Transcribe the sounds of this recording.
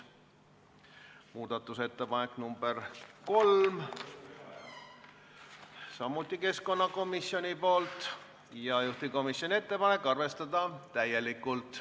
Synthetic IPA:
muːd̪̥ɑt̪ːˑuse̞t̪ːe̞pɑne̞kːnumb̥erko̞lm | sɑmːut̪ʲːˑike̞sko̞nːɑko̞misjo̞nʲipo̞ːlt̪ˑ | jɑjuht̪iko̞misjonʲie̞t̪ːe̞pɑne̞kːˑɑrve̞st̪ɑd̪̥ɑt̪æje̞likːˑult̪ˑ

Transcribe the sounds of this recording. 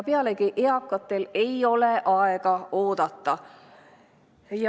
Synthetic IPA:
peɑlekiʔeɑkːˑɑt̪ːe̞le̞jo̞leʔɑeɡ̥ɑo̞ːd̪̥ɑt̪ːˑɑ | j

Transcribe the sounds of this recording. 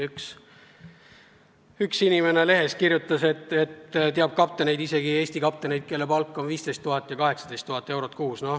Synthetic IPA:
yks | yksinimene̞le̞ɦe̞skirjut̪ːˑɑse̞t̪ːˑe̞t̪t̪eɑb̥̚kɑp̚t̪ːˑene̞jd̪ise̞ɡieːsʲt̪ikɑp̚t̪ene̞jd̪̥̚ke̞lːepɑlkːˑo̞nviːst̪e̞jst̪ːuɦɑt̪ːˑjɑkɑɦe̞ksɑ̥d̪e̞jst̪ːuɦɑt̪ːˑe̞wɾo̞t̪̚kuːsno̞

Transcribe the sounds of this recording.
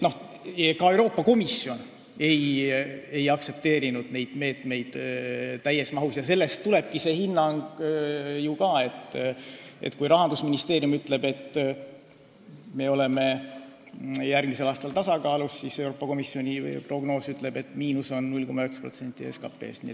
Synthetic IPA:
no̞hkɑe̞wɾo̞ːpːˑɑko̞misːio̞n | e̞j | e̞jɑkse̞p̚t̪e̞ːɾinud̪̥ne̞jd̪̥me̞ːt̪me̞jd̪̥t̪ːæjːe̞smɑɦusjɑse̞lːe̞st̪ːule̞b̥̚kise̞ːhinːɑŋɡ | jukɑːe̞t̪ː | ḛt̪kujɾɑɦɑnd̪usminist̪e̞ːɾjumyt̪ˑle̞be̞t̪ː | me̞o̞le̞me̞ | jærɡ̥mise̞lɑːst̪ɑlt̪ɑsɑkɑːlusːisewɾoːpːɑko̞misːio̞nʲḭpro̞ɡno̞ːsyt̪ˑle̞b̥e̞t̪ːˑmiːnuso̞nːnulʲko̞mːɑøkspro̞̰t̪se̞nʲt̪ʲːˑiḛskɑ̰pːˑe̞̰ːsnḭet̪

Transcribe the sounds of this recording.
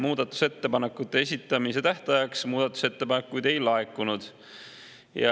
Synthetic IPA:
muːd̪ɑt̪ːˑu̥se̞t̪ːe̞pɑne̞kːut̪ːeesʲit̪ːˑɑmis̬e̞t̪æht̪ɑjɑksmuːd̪̥ɑt̪ːˑu̥se̞t̪ːe̞pɑne̞kːujd̪e̞jlɑekːˑunud̪̥ | jɑ̰

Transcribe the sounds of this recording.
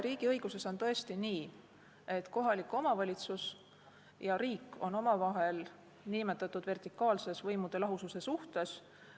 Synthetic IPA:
ɾiːɡ̥iɤjɡ̥use̞so̞nt̪ɤ̞e̞st̪iniː | e̞t̪ko̞ɦɑlʲikːˑo̞mɑvɑlʲit̪sus | jɑɾiːkːˑo̞no̞mɑvɑɦe̞l | nimet̪ːˑɑt̪ːˑud̪̥ve̞rt̪ikːˑɑːlse̞svɤjmud̪̥e̞lɑɦususe̞suht̪e̞s

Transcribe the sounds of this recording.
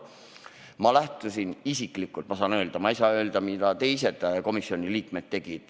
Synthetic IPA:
mɑlæht̪usinisikˑlikːult̪mɑsɑːnø̞ːld̪̥ɑmɑjsɑø̞ːld̪̥ɑmid̪̥ɑt̪e̞jse̞d̪̥ko̞misːio̞nʲiliːkme̞t̪̚tːe̞ɡ̥id̪̥

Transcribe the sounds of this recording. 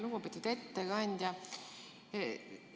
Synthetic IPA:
luɡ̥upit̪ːit̪e̞t̪ːeɡɑnʲd̪̥ʲjɑ

